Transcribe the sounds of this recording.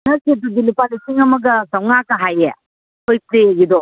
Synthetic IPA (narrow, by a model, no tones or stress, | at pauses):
nɐɾsit̪ud̪ilipalisiŋɐmɐɡɐsɐwŋakɐɦajḛ | kojpleeɡid̪ɔ